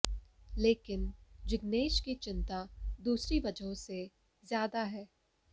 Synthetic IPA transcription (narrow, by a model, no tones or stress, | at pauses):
leːkɪnd͡ʒɪɡneːʃkit͡ʃɪ̃nt̪ad̪uːsɾiʋɐd͡ʒɦõse | zjaːd̪aɦɛː